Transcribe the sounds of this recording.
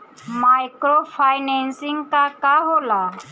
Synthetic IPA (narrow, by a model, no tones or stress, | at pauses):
majkɾofʰajnɛnsĩŋɡkakaɦola